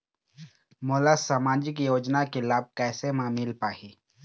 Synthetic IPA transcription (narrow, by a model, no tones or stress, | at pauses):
moːlasaːmaːd͡ʒɪkjoːd͡ʒnakelaːb̚kɛːsemaːmilpaːɦiː